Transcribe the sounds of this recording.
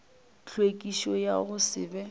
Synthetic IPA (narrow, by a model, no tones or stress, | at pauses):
t͡ɬʰwekʼiʃɔja̰ɣʊsɪ̰ːbɛ